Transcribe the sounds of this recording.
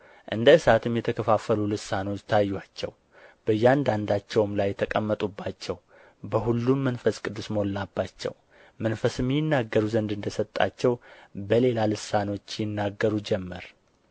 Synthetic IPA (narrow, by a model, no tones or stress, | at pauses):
ʔɨnd̪əɨsat̪ʰɨmjɛt̪ʰəkʰəfafəlulɨsːano̞t͡ʃːt̪ʰajːuat͡ʃːɛ̰w | b̥əjːand̪and̪at͡ʃːɛwmlajɛt̪ʰəkʼəmːət̪ʼubːat͡ʃːɛw | bəhulːumːənfəskʼɨd̪ːusməolːabːat͡ʃːɛ̰w | mənfəsɨmːjɪnːaɡːəɾuzənd̪ɨnd̪əsət̪ʼːa̰t͡ʃːɛwbəle̞lalɨsːano̞t͡ʃːjɪnːaɡːəɾud͡ʒɛmːəɾ